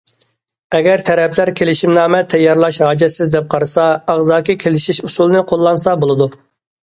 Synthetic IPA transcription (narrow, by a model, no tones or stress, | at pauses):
ɛɡʲɛɾt̪ʰɛɾɛpʰlæɾkʲʰelɪʃimnɑːmɛt̪ʰɛjːɑɾlˠɑʃɦɑːd͡ʒɛsɪzd̪ɛp̚qʰɑɾɨsɑɑʁzɑːkʲikʲʰelɪʃiʃusulˠɨnɨqʰolˠːɑnsɑbolˠɨd̪u